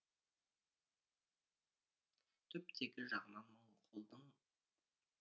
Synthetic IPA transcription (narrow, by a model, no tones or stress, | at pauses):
t̪ʰʏp̚t̪ʰe̞kʲɪʒɑʁmɑməɴqʰo̞lˠd̪əɴ